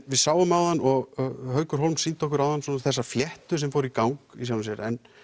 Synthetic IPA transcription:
vɪðsaːwʏmawðanːɔɣɣɦœːɥkʏɾ̥ɦowlmsiːt̪ʰɔhkʏɾawðansɔːnθɛs̬ːafjɛht̪ʏsɛmfowɾikawŋkisawnɪsjɛɾɛ̰n

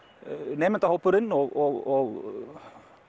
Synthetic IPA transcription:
neːmənt̪ahɔwpːʏɾɪnːɔɣɔɣɔɣ

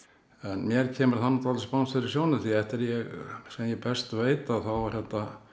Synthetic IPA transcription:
ɛnmjɛɾ̥cʰɛːmʏɾθanːat̪ʰalspanːsaɾi̥sjownɪθiɛht̪ɪɾjɛɣsɛmjɛpɛst̪veːjt̪aðθavaɾ̥hɛt̪na

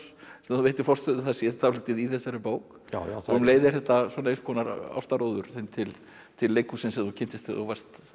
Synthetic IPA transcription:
ɛmaθuveːjt̪ɪ̥ɾfɔr̥t̪œðʏθɛsjɛtθalɪt̪ɪðiθɛsːaɾɪpoːwk | nleːjðɪɾ̥θɛht̪asɔnaeskʰɔːnaɾa̰wst̪aɾoːwðʏɾ̥θent̪ʰɪl | t̪ʰɪlːeːjkusɛmsɛmθucʰɪnt̪ɪst̪θɔ̰vḁst̪

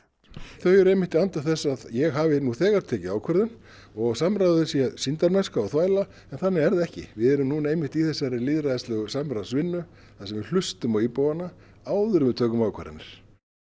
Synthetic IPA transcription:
θœɥjʏɾejmɪht̪iant̪aθɛsːaðjɛɣɦaːvɪnuθɛːɣaɾ̥t̪ʰɛːcɪaːwkʰɛɾðʏn | ɔɣsamɾajðʏðʏsjɛsint̪aɾmɛskaɔɣθvaːjla | ɛnθanːɪɛɾðɛhcɪ̰vɪðɛɾʏmnuːnaeːjmɪht̪iθɛsːaɾɪliːðɾaðst̪lœːɣʏsamɾaðsvɪnːʏ | θasɛmvɪl̥ʏst̪ʏmawiːpoːwana | aːwðʏɾʏmɪt̪ʰœːkʏmaːwkʰa̰ɾɪ̰nɪ̰ɾ̥

